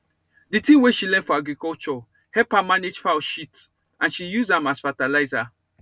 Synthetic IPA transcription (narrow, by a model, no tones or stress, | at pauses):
ditĩweʃilɛ̃ndfɔaɡɹikɔt͡ʃɔ | hɛpamaned͡ʒfaʊʃit | ãnʃijuzãmasfatalaɪza